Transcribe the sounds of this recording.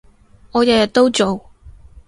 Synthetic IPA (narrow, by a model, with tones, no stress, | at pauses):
ŋɔː˨˧jɐ˨jɐ˨t̪̚ːo˥wt͡so˨w